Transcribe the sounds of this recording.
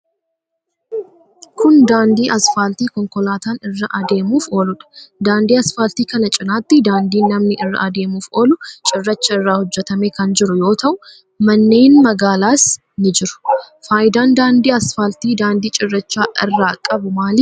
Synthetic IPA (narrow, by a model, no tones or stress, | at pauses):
kʰʊnd̪aːnd̪iːʔɐsfaːlt̪iːkɔŋkɔlaːt̪aːnɪrːɐʔɐd̪e̞ːmuːfo̞ːlʊᶑɐ̥d̪aːnd̪iːɐsfaːlt̪iːkɐnɐt͡ʃʼɪnaːt̪ːɪd̪aːnd̪iːnːɐmnɪʔɪrːɐ̰ʔɐd̪e̞ːmuːfo̞ːlʊt͡ʃʼɪrːɐt͡ʃːɐɪrːaːhʊd͡ʒːɛt̪ɐmeːkɐnd͡ʒɪɾʊjo̞ːt̪ʰɐʔʊ | mɐnːe̞ːnmɐɡaːlaːs | nɪd͡ʒɪɾʊ̥ | faːjɪd̪aːnd̪aːnd̪iːɐsfaːlt̪iːd̪aːnd̪iːt͡ʃʼɪrːɐt͡ʃːaːʔɪrːaːkʼɐbʊmaːlɪ